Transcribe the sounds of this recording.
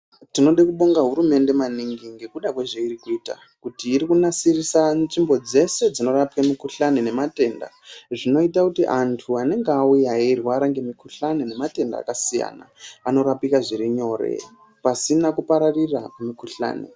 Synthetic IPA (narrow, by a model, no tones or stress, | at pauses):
tino̞ɗekuɓoŋɡaɦuɾume̞nde̞maniŋɡiŋɡe̞kuɗakweʐeiɾikuiːta̰ | kutiːɾikunasirisanʐimbo̞d͡ze̞se̞d͡zino̞ɾapikamikuɬanene̞mate̞nda̰ʐino̞itakutiʔantʰuane̞ŋɡeaujairwaːɾaŋɡe̞mikuɬanene̞mate̞nda̰ːkasija̰na̰ano̞ɾapikaʐiɾiɲo̞ɾe̞̰ | pasinakupaɾarirakumikuɬa̰ːnḛ